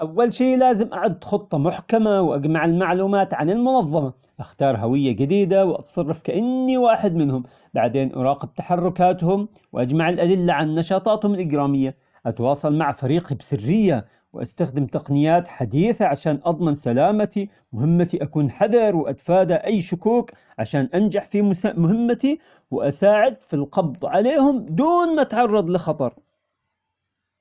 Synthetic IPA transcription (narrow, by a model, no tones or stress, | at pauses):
ʔawːalʃiːʔlaːzɪmʔaʕʊd̪ːxɨt̪ˤːɑmʊħkamawʔad͡ʒmaʕɪlmaʕluːmaːt̪ʕanɪlmʊnɑðˤːɑmɑ | ʔaxt̪ɑːɾˤɦawɪjːad͡ʒɪd̪iːd̪awʔɑ̰t̪sˤɑrˤːɑfkaʔɪnːiwaːħɪd̪mɪnhʊm | baʕd̪eːnʔɑ̰ɾˤɑːqɪb̚t̪ḁħɑrˤːʊkaːt̪hʊm | wʔad͡ʒmaʕɪlʔad̪ɪlːaʕanːɑʃɑːt̪ˤɑːt̪hʊmɪlʔɪɡɾaːmɪjːa | ʔat̪wɑːsˤɑlmaʕfaɾiːqibsɪrːɪjːa | wʔa̰st̪axd̪ɪmt̪ɑqnɪjːaːt̪ħad̪iːθaʕaʃaːnʔɑðˤmɑnsalaːmat̪i | mʊɦɪmːat̪iʔakuːnħaðɑɾˤwʔat̪faːd̪aʔajːʃʊkuːk | ʕaʃaːnʔand͡ʒaħfimʊhɪmːat̪i | wɪʔasaːʕɪd̪̚filqɑbðˤʕaleːhʊmd̪uːnmaʔat̪ʕɑrˤːɑd̪ˤlɪxɑt̪ˤɑɾˤ